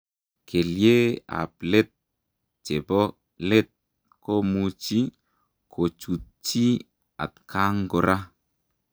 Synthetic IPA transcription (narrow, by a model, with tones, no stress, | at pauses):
kʰe˨lje˦a̰˨ple˦t̪̚ | t͡ʃe˨bɔ˦ | le˦t̪̚ | ko˦mu˧t͡ʃi˦ | kʰo˨t͡ʃu˨t̪̚t͡ʃi˦ | a̰˨t̪kʰa˦ŋɡo˨ɾʔa˦